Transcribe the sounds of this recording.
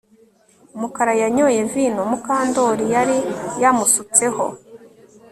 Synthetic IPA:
umukaɾajaɲoje̞vinomukaːndo̞ɾijaɾijamusut͡se̞ho̞̰

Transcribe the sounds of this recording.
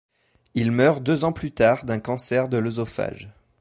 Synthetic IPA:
ilmœʁd̪øzɑ̃plyt̪aʁd̪ɛ̃kɑ̃sɛʁd̪əlozɔfa̰ʒ

